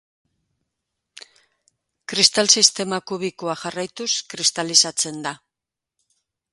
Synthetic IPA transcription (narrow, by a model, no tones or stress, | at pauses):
kɾist̪alsist̪e̞makuβikoaxarajt̪uskɾist̪alisat͡se̞nd̪a